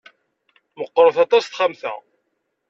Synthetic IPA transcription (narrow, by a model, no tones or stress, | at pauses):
məqːəɾəθɑt̪ˤɑsθχamθæ̰